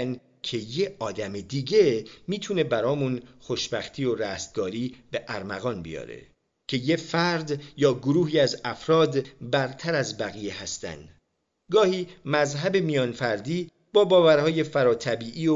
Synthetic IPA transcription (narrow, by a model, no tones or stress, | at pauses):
n | cʰe̞jeɒːd̪æmed̪iːɟemiːt̪ʰune̞bæɾɒːmunxoʃbæxt̪ʰiːoɾæːst̪̚ɡɒːɾiːb̥e̞ʔæɾmæ̰ɣɒːnbḭjɒ̰ːɾḛ | cʰe̞jefæɾd̪jɒːɡoɾuːhiːæzæfɾɒːd̪bæɾt̪ʰæɾæzbæɣijehæst̪æ̰nd̪ | ɡɒːhiːmæzɦæbemijɒːnfæɾd̪iː | b̥ɒːbɒːvæɾhɒːje̞fæɾɒːt̪ʰæbiːʔiːo